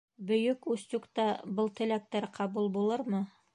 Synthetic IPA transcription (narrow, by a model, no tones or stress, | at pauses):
bɵ̆jɵkʉst̪ukt̪ɑbɤlˠt̪ɘ̆læk̚t̪æɾqʰɑbulˠbulˠɤɾmɤ